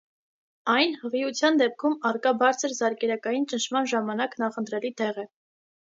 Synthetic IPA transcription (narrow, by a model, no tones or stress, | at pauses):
ɑjnhəʁiut͡sʰjɑnd̪ɛp̚kʰumɑrkɑbɑɾt͡sʰəɾzɑɾkɛɾɑkɑjint͡ʃənʃʰmɑnʒɑmɑnɑknɑχənt̪ɾɛlit̪ɛʁɛ